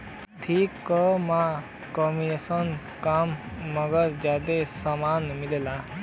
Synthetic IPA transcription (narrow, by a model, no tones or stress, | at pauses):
t̪ʰikːɔmã | kɔminesən | kamːəɡəɾd͡ʒjaːd̪esamaːnmilela